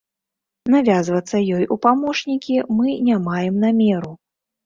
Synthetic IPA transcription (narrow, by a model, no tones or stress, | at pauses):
navʲazvɐt̪sːɐjɔjupamɔʂnʲikʲimɨnʲamajɛmnamʲɛɾu